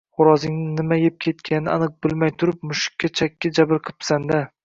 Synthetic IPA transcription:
χʊɾɒzɪŋnɪnɪmajep̚kʲʰe̞t̪̚kʲʰanɪɪanɨq̚bɪlˠmajt̪ʰʊɾɪp̚mʊʃɪ̥kʲːat͡ʃʰakʲːad͡ʒabɪɾqʰɨ̥psand̪a

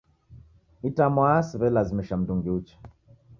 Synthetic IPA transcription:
itamwaasiβɛlazimiʃam̩duŋɡiut͡ʃḁ

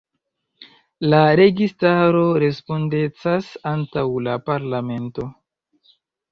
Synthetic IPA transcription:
laɾe̞ɡistaɾo̞ɾe̞spo̞nde̞t͡sasantawlapaɾlame̞nto̞

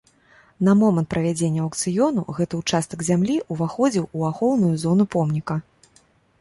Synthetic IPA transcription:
nɐmɔmɐnt̪̚pɾʔɐvʲad͡zʲenʲːɐɐkt̪sɨjɔnuɣɛt̪ɨut͡ʂast̪ɐɡzʲamlʲiʔuvaxɔd͡zʲiwuaxɔwnujuzɔnupɔmnʲikɐ

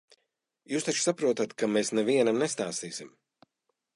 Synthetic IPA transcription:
juːst̪at͡ʃsapɾuɔt̪at̪kameːsnɛviɛnamnest̪aːst̪iːsim

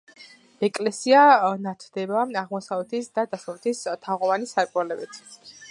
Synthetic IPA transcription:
ɛkʼlɛsianat̪ʰd̪̥ɛbaaʁmɔsavɛt̪ʰisd̪ad̪asavɛt̪ʰist̪ʰaʁɔvanisaɾkʼwɛlɛbit̪ʰ

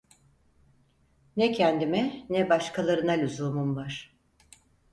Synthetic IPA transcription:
nɛcʰænd̪imɛnɛbaʃkʰalˠaɾɯnalʲyzumumvaɾ̥

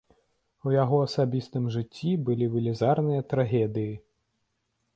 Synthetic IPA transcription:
ujaɣɔɐsabʲist̪ɨmʐɨt͡sʲːibɨlʲiʋɨlʲizarnɨjɐt̪ɾaɣʲɛd̪ɨji

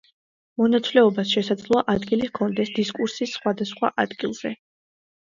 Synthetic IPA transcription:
mɔnat̪sʰvlɛɔbasʃɛsad̪zlˠɔaʔad̪ɡiliʁkʰɔnd̪ɛsd̪iskʼuɾsisːχwad̪asχwa̰ʔad̪ɡilˠz̥ɛ

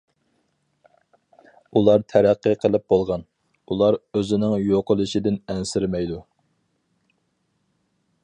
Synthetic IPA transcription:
ulˠɑɾt̪ʰæɾæqːəqʰəlˠɪp̚bolˠʁɑn | ulˠɑɾøzɪnɪŋjoqʰəlˠɨʃɪd̪ɪnɛnsɪɾmɛjd̪u

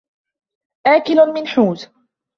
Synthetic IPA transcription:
ʔaːkɪlʊmɪnħuːz

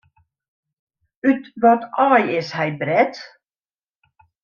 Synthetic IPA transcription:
ytʋɔtʰɔːjɪshɛjbrɛt

